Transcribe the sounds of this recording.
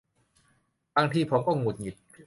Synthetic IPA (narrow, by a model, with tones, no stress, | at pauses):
baː˧˥˩ŋt̪ʰiː˧˩pʰo˨˧˦mkɔː˥˩ŋu˨˩t̪̚ŋi˨˩t̪̚